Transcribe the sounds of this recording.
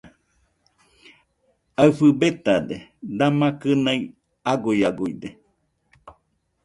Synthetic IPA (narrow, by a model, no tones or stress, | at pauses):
aɨfɨbet̪ad̪ed̪amakɨnai | aɡujaɡujd̪e